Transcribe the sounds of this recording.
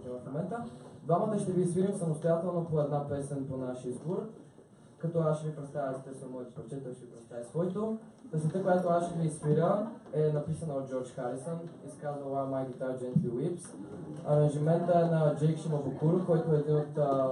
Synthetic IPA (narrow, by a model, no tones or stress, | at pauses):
ivɐfmomɛnt̪əd̪vaməd̪ɐʃt̪ɛviːsviɾʲəmsɐmost̪ojat̪ɛlˠnopoɛd̪napɛsɛnponaʃizboɾ | kɐt̪ɔaʃʃɛvipɾɛt̪st̪avʲəst̪ɛsəmoɛt̪pɾɛt͡ʃɛt̪ɔʃɛvipɾɛt̪st̪avʲəsvɔit̪o | p̪ɛsət̪əkojat̪oaʃɛviːsviɾʲəɛnɐpisənɐot̪̚d͡ʒɔɾt͡ʃxaɾisoniskazvəlamajd̪it̪ajd͡ʒɛnt̪ʲiwipsɐɾɐ̃ŋʒimɛnt̪əɛnɐd͡ʒɛjkʃimovokuɾkɔjt̪oɛːd̪inot̪